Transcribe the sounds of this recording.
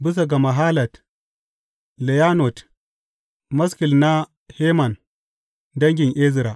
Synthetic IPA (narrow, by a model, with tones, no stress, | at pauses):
bi˦s̬a˨ɡa˨ma˨ɦaː˦lɐ˨t | le˨ja˦no˨t | mɐ˦ski˨lna˦ | he˦ma˨n | dɐ˦ŋɡʲɪ˨ŋʔe˦zɾa˨